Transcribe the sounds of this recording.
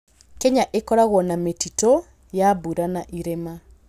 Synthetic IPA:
kɛɲaʔekɔɾaɣwɔnametito | jaβuɾanaʔiɾema

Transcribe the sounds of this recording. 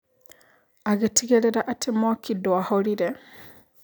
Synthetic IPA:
aɣetʰiɣeɾeɾaʔatʰemwakʰidoahoɾiɾe

